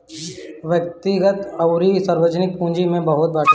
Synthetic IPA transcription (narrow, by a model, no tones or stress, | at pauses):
ʋjək̚t̪ɪɡət̪ɐʊɾisəɾwəd͡ʒnɪk̚pũːd͡ʒimẽbɐɦʊt̪̚baːʈ